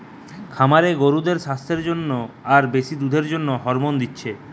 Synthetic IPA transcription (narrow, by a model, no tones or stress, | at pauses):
kʰamaɾeɡoɾud̪eɾʃast̪ʰeɾd͡ʑonːoaɾbeʃid̪ud̪ʱeɾd͡ʑonːoɦɔɾmond̪itːɕʰe